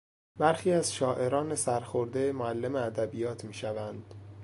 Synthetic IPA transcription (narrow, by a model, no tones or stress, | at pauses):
b̥æɾxiːæzʃɒːʔe̞ɾɒːne̞sæɾxoɾd̪emoælːe̞meæd̪æbijɒːt̪ʰmiːʃævænd̪̥